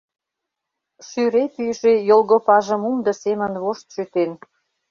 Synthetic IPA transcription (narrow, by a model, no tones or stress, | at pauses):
ʃyɾep̪yʃejolɣopɑʒə̆mumd̪ə̆semə̆nβoʃt̪ʃyt̪en